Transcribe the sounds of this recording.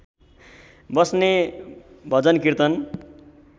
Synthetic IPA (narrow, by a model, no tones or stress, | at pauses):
bʌsne | bʱʌd͡zʌnkirt̪ʌn